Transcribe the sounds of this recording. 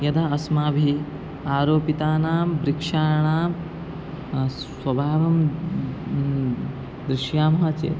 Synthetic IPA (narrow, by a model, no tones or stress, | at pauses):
jɐd̪aɐsmaːbʱi | aːɾoːpit̪aːnaːmbɾikʂaːɾɐɳaːm | swɐbʱaːʋɐm | d̪ɾɪʃjaːmɐɦɐt͡ʃḛː